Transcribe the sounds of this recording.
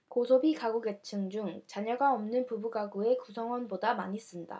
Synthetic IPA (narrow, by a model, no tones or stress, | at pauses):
kosʰobikaɡuɡe̞t͡ɕʰɯŋd͡ʑuŋt͡ɕaɲʌɡaʌmnɯnpubuɡaɡue̞kusʰʌŋwʌnbodama̰ɲis͈ɯnda̰